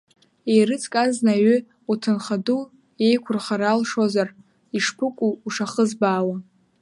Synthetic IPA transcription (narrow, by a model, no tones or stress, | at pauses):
ejrɨt͡sʼkʼaznaɥʏ | utʰɨnχadu | e̞jkʷʰʊrχaɾalʂozar | iʂpʰɨkʷʼuːʂaχəzbaːwa